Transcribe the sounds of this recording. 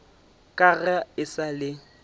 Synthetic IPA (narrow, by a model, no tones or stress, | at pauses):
kʼaɣaɪsalɪ